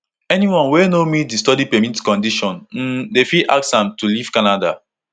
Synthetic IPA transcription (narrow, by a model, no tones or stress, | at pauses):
ɛniwɔ̃nwenomit̚distɔdipɛmitkɔ̃ndiʃɔ̃nn̩defiʔa̰ksãmtuliv̥kanada̰